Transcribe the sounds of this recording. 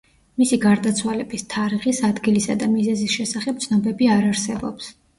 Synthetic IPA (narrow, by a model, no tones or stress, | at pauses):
misiɡaɾd̪at̪sʰwalɛbist̪ʰaɾiχisad̪ɡilisa̰d̪amizɛzisʃɛsaχɛp̚t̪sʰnɔbɛbiaɾaɾsɛbɔps